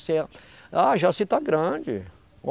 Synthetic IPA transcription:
seaʒasit̪aɡɾɐ̃d͡ʒɪ̰ | o

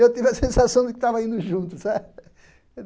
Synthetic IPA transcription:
ewt̪ivɐsẽsasɐ̃w̃d̪ɨkt̪avɐĩnd̪ʊʒũnt̪usa

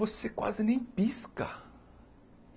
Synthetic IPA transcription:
osekwa̰zɪnẽj̃piskɐ̰

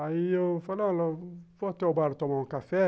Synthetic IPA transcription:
aijofalãlɔvɔt̪eobaɾt̪ɔmãkafɛ

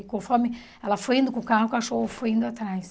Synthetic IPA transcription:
kõfɔɾmɪ | ɛlɐfojĩnd̪ʊkukaɦukaʃoofojĩnd̪ʊat̪ɾajs

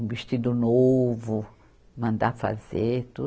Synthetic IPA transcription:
viʃtid̪ʊnovʊ | mɐ̃nd̪afa̰zet̪u

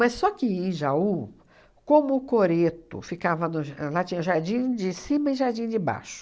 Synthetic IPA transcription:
mɐssːɔkɪẽʒau | kõmʊːkoɾet̪ʊ̰fikavɐnʊʒlat͡ʃĩɲɐʊʒaɾd͡ʒĩd͡ʒɪsĩmɐɪ̃ʒaɾd͡ʒĩd͡ʒɪba̰ʃʊ̥

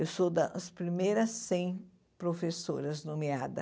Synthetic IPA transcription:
ewsod̪ɐspɾimejɾɐsːẽj̃ | pɾofesoɾɐznõmead̪ɐ̰

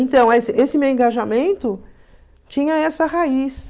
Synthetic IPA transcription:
ẽnt̪ɐ̃w̃ɛsɪʔesɪmewẽŋɡaʒamẽnt̪ʊ | t͡ʃĩɲɐɛsɐɦais

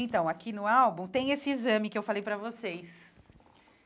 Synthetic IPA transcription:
ẽt̪ɐ̃w̃akʰinʊawbũt̪ẽj̃esɪizɐ̃mɪkɪewfalejpɾɐvosejs

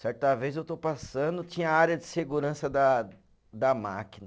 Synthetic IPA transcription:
sɛɾt̪ɐvezewt̪owpasɐ̃d̪ʊt͡ʃĩɲɐaɾjɐd͡ʒɪseɡuɾɐ̃sɐd̪ɐ | d̪ɐma̰kinɐ

